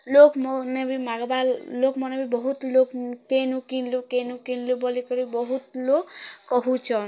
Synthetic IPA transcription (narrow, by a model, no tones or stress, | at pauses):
lokmɔnebimaɡballokmɔnebibɔɦut̪lokkenukinlukenukinlubɔlikɔɾibɔɦut̪lokːɔɦut͡ʃʰɔn